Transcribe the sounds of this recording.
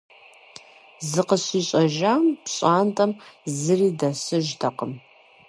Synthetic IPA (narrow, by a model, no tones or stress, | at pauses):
zɨqəɕiːɕʼɐʒaːmpɕʼaːntʼɐmzɨriːdɐsɨʒtʰɐqəm